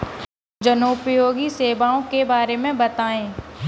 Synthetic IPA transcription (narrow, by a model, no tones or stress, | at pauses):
d͡ʒɐnoːpjoːɡiseːʋaːõkebaːɾemẽbɐt̪aːẽː